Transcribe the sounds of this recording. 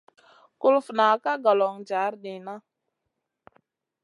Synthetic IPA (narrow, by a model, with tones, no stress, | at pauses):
kʊ˦lfna˨ka˦ɡa˨lɔ˨ŋd͡ʒa˨˦ɾɗi˨na˦